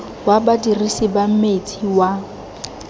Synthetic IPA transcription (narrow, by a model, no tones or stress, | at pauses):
wabadirisibam̩met͡sʼʰiwa